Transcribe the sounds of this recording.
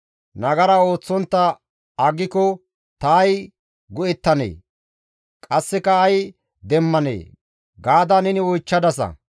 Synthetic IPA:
nɐɡɐɾɐo̞ːt͡sːɔnt̪ːɐ | ɐɡɪkɔ | t̪aːj | ɡʊɛt̪ːɐnḛː | kʼɐsːɛkɐːj | d̪ɛmːɐnḛː | ɡaːd̪anɛnɪwɔjt͡ʃːɐd̪ɐs̬ɐ̰

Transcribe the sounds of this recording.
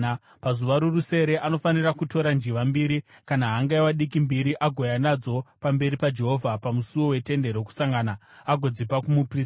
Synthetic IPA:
pazuʋaɾuruse̞ɾe̞ʔano̞fanirakuto̞ɾand͡ʒiʋambiːɾikanaɦaŋɡajwaɗikimbiɾiʔaɡʱo̞janad͡zo̞pambe̞ɾipad͡ʒe̞ɦo̞vʱapamusuwo̞we̞te̞nde̞ɾo̞k̬u̥saŋɡaːna | aɡʱo̞d͡zipakumupriːs

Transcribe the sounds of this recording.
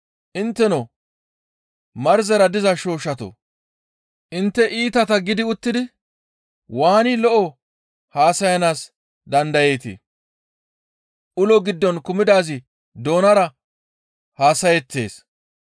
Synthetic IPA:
ʔɪnt̪ːɛnɔ | mɐɾzɛɾɐd̪ɪzɐʃo̞ːʃɐt̪o̰ | ʔɪnt̪ːɛʔiːt̪ɐt̪ɐɡɪd̪ɪʊt̪ːɪd̪ɪ | waːnɪlɔʔɔ | haːsɐjɐnaːs | d̪ɐnd̪ɐje̞ːt̪ḭ | ʔʊlɔɡɪd̪ːɔnkʊmɪd̪aːzɪ | d̪o̞ːnɐɾɐ | haːsɐjɛt̪ːe̞̰ːs

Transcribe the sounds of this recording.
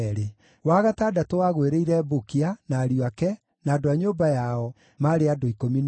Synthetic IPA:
ɾe | waɣataːdatowaɣweɾeiɾɛbokianaːɾioakɛ | naːdoaɲoːbajaɔ | maɾeadoikomin

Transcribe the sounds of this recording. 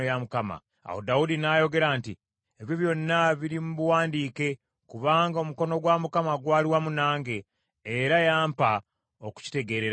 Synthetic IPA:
ojamukama̰ | a̰wo̰daudinajo̞ɡe̞ɾaːnti | eβiβjo̞nːaβiɾimuβuwaːndiːke̞ | kuβaːŋɡaomuko̞no̞ɡwamukamaɡwaːliwamunaːŋɡe̞ː | ɾajaːmpa | o̞ku̥ci̥te̞ɡe̞ːɾe̞ɾa

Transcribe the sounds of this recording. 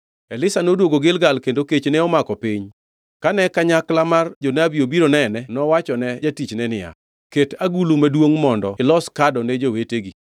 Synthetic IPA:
ɛlɪsanodwoɡoɡɪlɡalkendoket͡ʃnɛɔmakɔpɪɲ | kanɛkaɲaklamard͡ʒonabiobiɾonɛnɛnɔwat͡ʃɔnɛd͡ʒatit͡ʃnɛnɪja̰ | ketaɡulumadwoŋmɔndɔ̰ɪlɔskadɔnɛd͡ʒoweteɡi

